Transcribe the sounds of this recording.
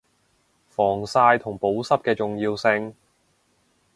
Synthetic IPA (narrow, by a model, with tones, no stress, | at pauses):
fɔː˨˩ŋsaː˧jt̪ʰʊ˨˩ŋpo˨˥wsɐ˥p̚kɛː˧t͡sʊ˨ŋjiː˧wsɪ˧ŋ